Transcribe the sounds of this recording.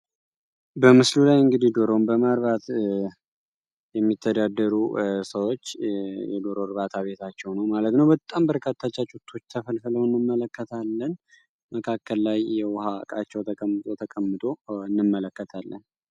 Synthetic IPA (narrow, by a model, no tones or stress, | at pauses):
bəmɨslulajɨŋɡɨd̪id̪oɾombəmaɾβat̪ | jɛmːit̪ʰːəd̪ad̪ːəɾusəwot͡ʃːjɛd̪oɾoɾβat̪ʰaβe̞t̪ʰat͡ʃːɛwnəwmalət̪nəwbət̪ʼːambəɾkʰat̪ʰːat͡ʃːat͡ʃʼut̪ʰːo̞t͡ʃːt̪ʰəfəlfɨləwɨnːɨmːələkːət̪ʰalːən | məkʰakːəlːajjɛwʊha̰kʼa̰t͡ʃːɛwt̪ʰəkʼəmːɨt̪ʼo̞t̪ʰəkʼəmːɨt̪ʼo̞ɨnːɨmːələkːət̪ʰalːən